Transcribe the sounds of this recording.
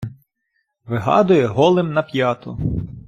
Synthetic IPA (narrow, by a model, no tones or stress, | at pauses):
ʋɪɦɑ̰d̪ʊjɛɦɔlˠɪmnɐpʲjɑt̪ʊ̰